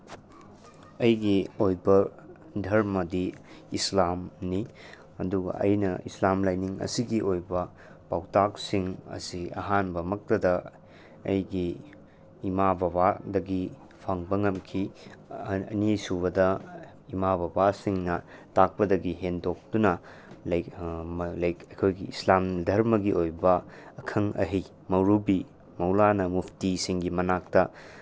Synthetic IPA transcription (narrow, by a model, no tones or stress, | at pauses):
ɐjɡiojbɐ | dʱɐɾmɐdiː | slamni | ɐduɡɐ̰ʔɐ̰jnɐ̰ḭslamlajniŋɐ̰siɡiʔojbɐ | pawtak̚siŋɐ̰siɐ̰ɦanbɐmɐk̚tɐdɐ | ɐ̰jɡiː | mabʱɐbadɐɡi | pʰaŋbɐŋɐmkʰi | ɐ̰nisuβɐdɐ | imabʱɐbasiŋnɐtak̚pɐdɐɡiɦendok̚d̥unɐ | l | lɐjkɐkʰojɡiḭslamdʱɐɾmɐɡiʔojbɐːkʰɐŋɐ̰ɦij | mɐwɾubi | mɐwlanɐmupʰtisiŋɡimɐnak̚tɐ